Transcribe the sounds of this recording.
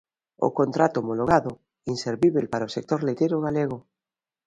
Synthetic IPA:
o̰kont̪ɾat̪oːmoloɣ̞aðo | inseɾβiβelpaɾaosek̚t̪oɾlet̪ejɾoɣaleɣo

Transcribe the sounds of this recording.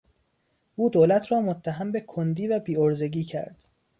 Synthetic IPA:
ʔuːd̪oːlæt̪ʰrɒːmot̪ʰːæɦæmbe̞kʰond̪iːvæbiːoɾze̞ɡiːcʰæ̰ɾd̪̥

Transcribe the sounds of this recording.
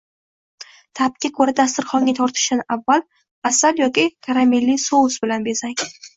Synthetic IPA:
t̪ʰap̚kʲakʰɵɾad̪as̬t̪ɪɾχɒŋɡʲat̪ʰɒɾt̪ʰɪ̥ʃɪnɪʔavːal | asaljɒkʲɪkʰaɾamilːisowʊzbɪlanbezaŋʲ

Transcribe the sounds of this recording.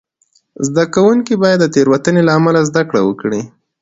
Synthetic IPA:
zd̪akawuŋkibɑjad̪ːət̪eɾwat̪ənelaːmalazd̪akɽawəkɽi

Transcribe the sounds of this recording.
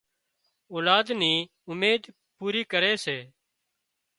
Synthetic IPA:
oːlaːd̪niː | ʊmeːd̪ | puːɾiːkəɾeːseː

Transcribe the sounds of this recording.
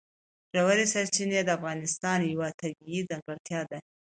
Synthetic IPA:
ʒ̥awaɾisaɾt͡ʃined̪əafɣɑnɪst̪ɑnjawat̪abiid͡zaŋɡaɽt̪jɑd̪a

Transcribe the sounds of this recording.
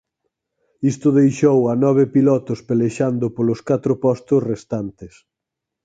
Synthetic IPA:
ist̪ʊðejʃowanɔβ̞ɪpilɔt̪ʊspeleʃand̪ʊpolʊskat̪ɾʊpɔst̪ʊsrest̪ant̪ɪs

